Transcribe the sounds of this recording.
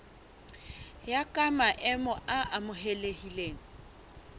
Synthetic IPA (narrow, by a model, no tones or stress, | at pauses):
jakʼamaʔɛmɔʔaʔamʊɦelehileːŋ̩